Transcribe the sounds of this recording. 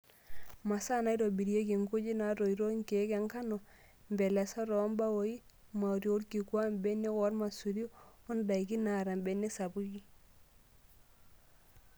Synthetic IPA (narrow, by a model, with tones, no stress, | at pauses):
ma˨sa˦na˦i˦ɾo˨bi˨ɾje˦ki˨ŋɡu˦d͡ʒi˦na˨˦ɾo˨i˨ɾo˦ŋke˨˦kɛ˨˦ŋka˦nɔ˨ | mbɛ˨lɛ˨sɔ˦ɾɔ˨˦mba˦wo˨˦i˦ | ma˨ɾjo˨˦ɾki˨kwa˦mbe˦ne˦kɔ˦ɾma˨su˨ɾjo˦o˦nda˨i˨ki˦na˨ɾa˨mbe˨˦ne˦sa˨bu˦ki˦